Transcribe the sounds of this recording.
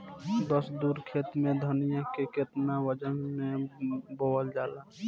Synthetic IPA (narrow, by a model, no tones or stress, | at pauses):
d̪əsd̪uɾkʰet̪mẽd̪ʱənijakeket̪nawəd͡ʒənmebowəld͡ʒala